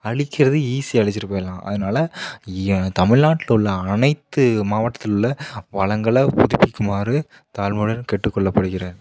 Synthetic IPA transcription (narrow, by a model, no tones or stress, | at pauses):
ɐɻɪkːɪɾɐðɯiːsiɐɻɪt͡ʃːɪɾɯpoːjɐlãːʔɐ̰ðɯnaːlɐ | t̪ɐmɪɻnaːʈːɪlʊɭːɐɐnɐɪt̪ːɯmaːʋɐʈːɐt̪ːɪlʊɭːɐʋɐɭɐŋɡɐɭɐpʊðɪpːɪkːɯmaːɾɯ | t̪aːlmuɽɐɾkɛʈːɯkːɔɭːɐpːɐɽɯɣɪɾeːn